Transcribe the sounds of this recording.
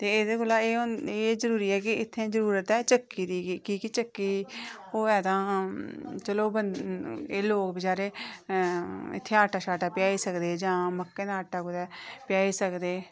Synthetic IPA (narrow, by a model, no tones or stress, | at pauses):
t̪eːɪːd̪eːkʊlaːeːneːzəɾuːɾiːɛːkɪɪt̪ʰːẽːzəɾuːɾət̪ɛːt͡ʃəkːiːd̪iːkiːkɪt͡ʃəkːiːoːɛːt̪ãː | t͡ʃəloːbəneːloːkbəd͡ʒaːɾeː | ɪ̰t̪ʰːeːaːʈaːʃaːʈaːpɪjaːiːsəkd̪eːd͡ʒãːməkːẽːnaaːʈːaːkʊt̪ɛːpɪjaːiːsəkd̪eː